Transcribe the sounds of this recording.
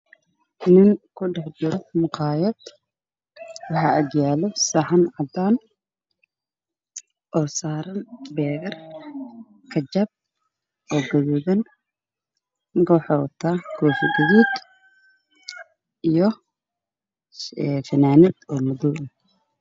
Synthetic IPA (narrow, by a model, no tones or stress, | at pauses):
nɪŋkʰʊɖɛħd͡ʒɪɾɔmʊqɑːjɐd̪ | wɑħɑːʔɐɡjaːlɔsaħɐnʕɑd̪aːn | ʔɔːsaːɾɐnbɛːɣɐr | kʰɐd͡ʒɐb̚ | ʔɔːɡɐðiːðɐn | ŋkʰɔwħɔwt̪ʰaːkʰɔːfɪɡɐðiːd̪ | ʔijɔ | ɛfɐnaːnɪd̪ɔːmʊðuːʔn